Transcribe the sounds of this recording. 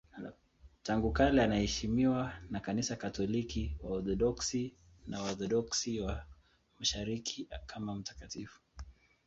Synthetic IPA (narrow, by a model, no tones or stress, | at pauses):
taŋɡukalɛanahɛʃimiwanakanisakatɔlikiwaɔθɔɗɔksi | nawaɔθɔɗɔksiwa | maʃaɾikʰikʰamam̩tḁkatifu̥